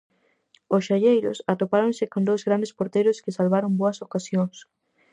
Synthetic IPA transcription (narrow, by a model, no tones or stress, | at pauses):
osʃaʎejɾʊ̰sat̪opaɾonsɪkond̪owzɣɾand̪espoɾt̪ejɾʊskɪsalβaɾomboɐsokasjoŋs